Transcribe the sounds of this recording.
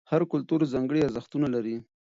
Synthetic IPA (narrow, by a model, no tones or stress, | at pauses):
haɾkʊlt̪uɾzaŋɡəɽiaɾzaxt̪unalaɾi